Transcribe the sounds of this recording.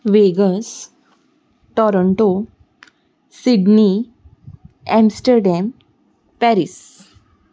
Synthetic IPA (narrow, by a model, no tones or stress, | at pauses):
ʋeɡəs | ʈɔɾɔɳʈo | siɖni | ɛmsʈəɾɖɛm | pɛɾis